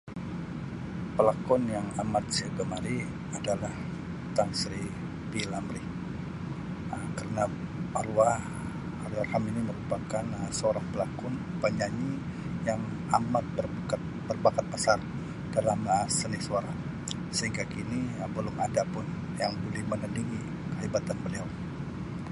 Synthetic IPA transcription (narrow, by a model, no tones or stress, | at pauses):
pəlakɔnjaŋamat̪̚siaɡəmaɾi | adalah | t̪aŋsɾi | pilamɾi | əkərənaaɾuah | aɾiarhaminiməɾupakanəsəoɾaŋpəlakɔnpaɲaɲi | jaŋ | amat̪̚bərkt̪̚ | b̥ərbakat̪̚pasar | d̥alaməsənɪhsuaɾa | səɦiŋɡakinibəlʊma̰dapʊn | jaŋbolɛhmənəndiŋi | kəɦibat̪anbəliaw